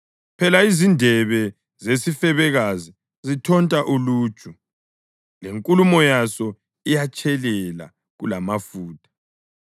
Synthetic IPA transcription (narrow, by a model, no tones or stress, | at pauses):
pʰɛlaizindʱɛβɛ | zesifɛβɛɣazi | zitʰɔntʼaʔulu̥ːt͡ʃʼu | leŋkʼulumɔjasɔ | ijat͡ʃʼɛlɛla̰ | ɣulamafuːtʼḁ